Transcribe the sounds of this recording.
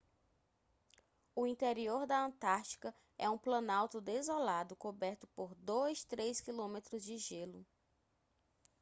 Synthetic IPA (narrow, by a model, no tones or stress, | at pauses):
ʊĩnt̪eɾioɾd̪ɐə̃t̪aɾt͡ʃi̥kɐ | ɛ̰ũplɐ̃nawt̪ʊd̪ezolad̪ʊkobɛɾt̪ʊpoɾd̪ojst̪ɾejskilõmet̪ɾʊzd͡ʒɪʒelʊ